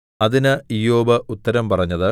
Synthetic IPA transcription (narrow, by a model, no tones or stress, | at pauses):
ɐðinɨijoːbɐʔut̪ːɐɾɐmpɐrɐɲːɐðɨ